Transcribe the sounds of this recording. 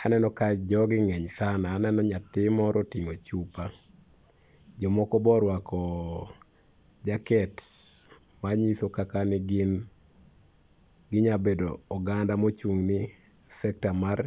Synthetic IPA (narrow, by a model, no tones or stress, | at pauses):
anɛnɔkad͡ʒɔɡɪŋɛɲsanaːnɛnɔɲat̪ɪmɔɾʔɔtiŋot͡ʃupa | d͡ʒɔmɔkɔbɔɾwakɔ | d͡ʒakɛt | maɲisokakanɪɡɪn | ɡɪɲabedoɔɡandamot͡ʃuŋnɪ | sɛk̚tamar